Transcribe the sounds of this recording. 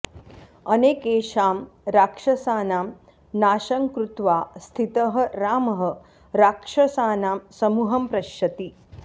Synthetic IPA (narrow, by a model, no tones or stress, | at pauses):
ɐneːkeːʃaːmɾaːkʂɐsaːnaːm | naːʃɐŋkɾut̪ʋaːst̪ʰit̪ɐɦɐ̆ɾaːmɐɦɐ | ɾaːkʂɐsaːnaːmsɐmuɦɐmpɾɐʃjɐt̪i